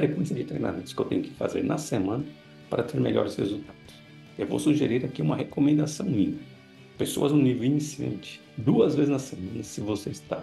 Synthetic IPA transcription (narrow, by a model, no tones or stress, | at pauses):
fɾekwẽsjɐd͡ʒɪt̪ɾḛjna̰mẽt̪ʊ̥skɪḛwt̪ḛ̃ɲ̃ʊkɪ̥fa̰zḛɾnʔɐ̰semɐ̃nɐ | pa̰ɾɐt̪ʰeɾmḛʎɔ̰ɾɪshezut̪ad̪̥ʊ̥s | ewvo̰wsuʒeɾiɾakiũmɐɦekomẽnd̪asɐ̃w̃minim | peso̰ɐzũnivwinisiḛ̃nt͡ʃɪ̥ | d̪uɐzvezɪznɐsemɐ̃nɐsɪvoseist̪a̰